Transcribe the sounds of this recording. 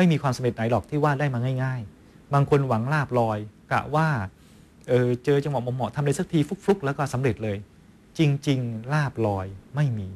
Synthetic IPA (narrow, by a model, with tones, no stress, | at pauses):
ma˥˩jmiː˧kʰwaː˧msa˨˦mɾe˨˩t̪̚na˩˦jlɔː˨˩k̚t̪ʰiː˥˩waː˥˩daː˥˩jmaː˧ŋaː˥˩jŋaː˥˩j | baː˧ŋkʰo˧nwa˩˦ŋlaː˥˩p̚lɔː˧jka̰˨˩waː˥˩ | ʔɤː˨˩t͡ɕɤː˧t͡ɕa˧ŋwa˨˩mo˨˧˦mɔ˨˩˦t̪ʰa˧mla˧jsa˨˩k̚t̪ʰiː˧fu˦˥k̚fu˦˥k̚lɛː˦˥wkɔː˥˩sa˩˦mɾe˨˩t̪̚lɤː˧j | t͡ɕi˧ŋt͡ɕi˧ŋlaː˥˩p̚lɔː˧jma˥˩jmiː˧